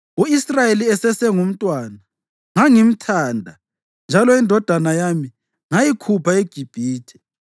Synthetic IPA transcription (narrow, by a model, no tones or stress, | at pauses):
uisrajeliɛsɛsɛŋum̩tʼwaːna | ŋaŋim̩tʰaːndʱa | nd͡ʒʱalɔindʱɔd̥ʱanajami | ŋajikʰupʰaeɡ̥ʱib̥ʱiːtʰɛ̥